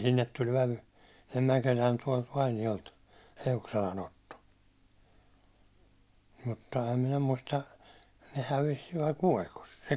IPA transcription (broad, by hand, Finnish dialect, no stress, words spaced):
sinːet tulʲ ʋæʋy sinˑe mækelʲæːn tuɒlt ʋɑinijolt eukselɑn otːo mutːɑ em minæ muistɑ ne hæʋis ʋɑi kuolʲkos se se